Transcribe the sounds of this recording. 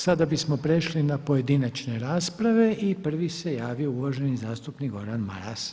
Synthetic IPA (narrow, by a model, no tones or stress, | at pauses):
sad̪abismopɾeʃlinapo̞je̞d̪inat͡ʃne̞ɾaːspɾaʋe̞ʔipr̩ʋise̞jaːʋio̞uʋaʒe̞nizaːst̪upnikɡo̞ɾanma̰ɾa̰s